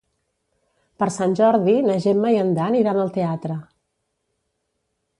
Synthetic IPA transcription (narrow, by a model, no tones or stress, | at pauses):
pəɾsanʲʒɔɾðinəʒemːəjənd̪aniɾanəlˠt̪eat̪ɾə